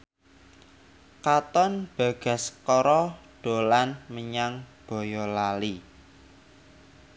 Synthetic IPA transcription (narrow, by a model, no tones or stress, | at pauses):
kat̪ɔnb̥ä̤ɡ̥ä̤skɔɾɔɖ̥o̤lanməɲaŋb̥ɔ̤jɔlali